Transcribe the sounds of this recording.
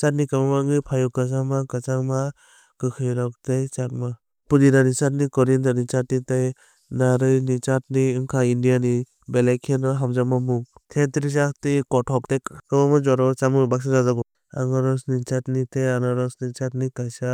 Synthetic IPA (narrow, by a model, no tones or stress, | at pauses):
t͡ʃat̚nikamamaŋɯpʰajɔkas̬amakat͡ʃama | kɯkʰɯjɾɔk̚tejt͡ʃat̚ma | pudinanit͡ʃat̬̚nikɔɾintanit͡ʃatnitaj | naɾɯjnit͡ʃat̚niɯŋkʰaindijani | belajkʰenɔɦamzamamuŋtʰetɾis̬aktikɔtʰɔk̚tekkɯbamɔd͡ʒɔɾɔt͡ʃamɯbak̚sazazaɡɔ | a̰ŋɔɾɔsnit͡ʃatnitejanɔɾɔsnit͡ʃat̚nikajsa